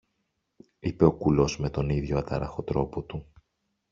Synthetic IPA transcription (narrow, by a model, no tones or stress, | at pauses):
ipe̞o̞kulo̞zme̞t̪o̞niðʝo̞ɐt̪ɐɾɐ̰xo̞t̪ɾo̞po̞t̪u